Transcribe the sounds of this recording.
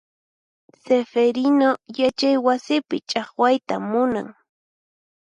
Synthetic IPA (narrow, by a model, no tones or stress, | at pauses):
sefeɾɪnojat͡ʃajwasɪpɪt͡ʃʼɑχwajt̪amʊna̰ŋ